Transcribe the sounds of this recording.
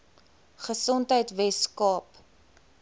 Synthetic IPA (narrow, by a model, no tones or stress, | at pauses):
χəsɔntɦəjtvɛskɑːp